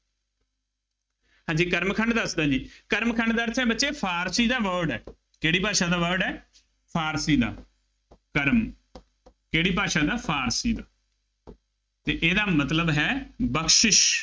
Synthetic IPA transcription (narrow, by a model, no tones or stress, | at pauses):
ɦãːd͡ʒiːkəɾmkʰəɳɖd̪əsd̪ãːd͡ʒiːkəɾmkʰəɳɖd̪əɾt̪ʰɛ̃ːbətːʃeːpʰaːɾsiːd̪aːʋəɾɖɛ̰ː | keːɽiːpaːʃãːd̪aːʋəɾɖɛː | pʰaːɾsiːd̪a̰ː | kəɾm | keːɽiːpaːʃãːd̪aːpʰaːɾsiːd̪aː | t̪eːʔeːd̪aːmət̪ləbɦɛːbəkʰʃɪʃ